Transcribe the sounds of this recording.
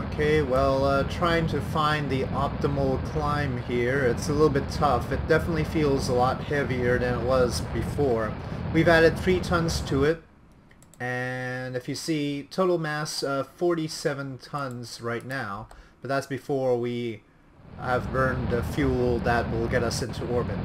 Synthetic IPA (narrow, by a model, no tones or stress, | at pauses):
oʊkʰeɪwɛlˠʌtʰɹ̥aɪɪ̃ŋtʰɨfãɪ̃nðiʔɑp̚təml̩ˠkʰl̥ãɪ̃mhiɹɪtsəlɪɾl̩ˠbɪtʰʌfɨt̚d̥ɛfənətˡlifilˠzəlɔt̚hɛviə˞ðɨ̃nət̚wʌzbɨfɔɹwivæɾɨd̪̚θɹitʰʌ̃nz̥tʰɨɪt̚ | ɨ̃nɨfjɨsitʰoʊɾl̩ˠmæsʌfɔɹɾisɛvə̃ntʰʌ̃nz̥ɹaɪtⁿnaʊb̥ʌt̪̚ðætsb̥ɨfɔɹwi | ɨvbɜ̃˞ndɨfjulˠðɨt̚wɪlˠɡɛɾʌsɪ̃ntʰuɔɹbɨt̚